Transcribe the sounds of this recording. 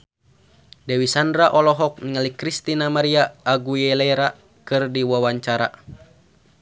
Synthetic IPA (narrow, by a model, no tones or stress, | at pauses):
dɛwisandɾaʔɔlɔɦɔk̚nŋəlikɾist̪inamaɾiaːɡujɛlɛɾa | kɨrdiwawaɲt͡ʃaɾa̰